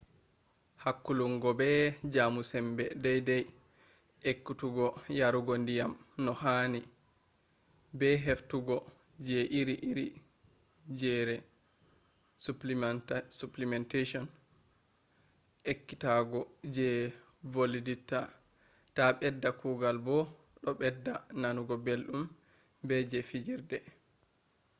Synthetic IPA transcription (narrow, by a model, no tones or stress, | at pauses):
hakːuluŋɡɔbɛd͡ʒamusɛmbɛdɛjdɛj | ekːutuɡɔjaɾuɡondijamnɔhani | bɛɦeftuɡɔ | d͡ʒɛʔiɾiʔiɾi | d͡ʒɛɾɛ | suplisuplimɛnteʃɔn | ʔekːitaɡɔd͡ʒɛ | voliditːa | taɓɛdːakuːɡalbɔ | ɗɔɓɛdːananuɡɔbelɗum | bɛd͡ʒɛfid͡ʒiɾdɛ